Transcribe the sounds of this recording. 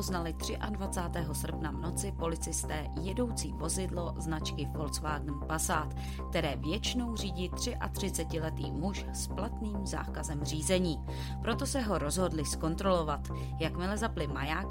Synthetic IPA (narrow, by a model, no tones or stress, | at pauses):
oznalɪt̪r̝̥ɪʔadvat͡saːt̪ɛːɦo̞sr̩pnavno̞t͡sɪpo̞lɪt͡sɪst̪ɛːjɛdo̞wt͡siːvo̞zɪdlo̞znat͡ʃkɪfo̞lsvaːɡn̩pasaːt̪ | kkt̪ɛɾɛːvjɛt͡ʃɪno̞wr̝iːɟit̪r̝̥ɪʔa̰t̪r̝̥ɪt͡sɛcɪlɛt̪ḭːmuʃ | splat̪niːmza̰ːkazɛmr̝iːzɛɲiː | pɾo̞t̪o̞sɛɦo̞ɾo̞zɦo̞dlɪsko̞nt̪ɾo̞lo̞vat̪ | jakmɪlɛzaplɪmajaːk